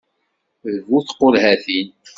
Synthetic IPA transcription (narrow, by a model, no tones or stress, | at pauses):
ðvuθqːolhæθin